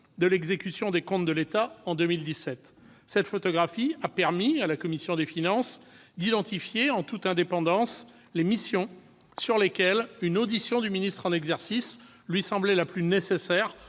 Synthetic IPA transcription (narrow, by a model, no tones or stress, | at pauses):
d̪əlɛɡzekʲysjɔ̃d̪ekɔ̃t̪d̪əlet̪aɑ̃d̪ømild̪isɛt̪ | sɛt̪fɔt̪ɔɡʁafiapɛʁmialakɔmisjɔ̃d̪efinɑ̃s | d̪id̪ɑ̃t̪ifjeɑ̃t̪ut̪ɛ̃d̪epɑ̃d̪ɑ̃s | lemisjɔ̃ | syʁlekʲɛlynod̪isjɔ̃d̪yminist̪χɑ̃nɛɡzɛʁsis | lɥisɑ̃blɛlaplynesesɛːʁ